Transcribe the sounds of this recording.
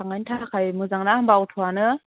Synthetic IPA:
aŋajntʰakʰajmɯzaŋnahambawtʰɔanɯ

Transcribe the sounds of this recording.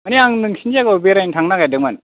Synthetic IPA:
aniaŋnɯŋsʰind͡ʒaɡabeɾajntʰaŋnakajdɯŋman

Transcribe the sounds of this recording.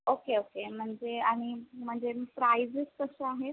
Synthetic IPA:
okeokem̤əɳd͡zeaɽ̃im̤əɳd͡zepɾaiziskəsəaɦe

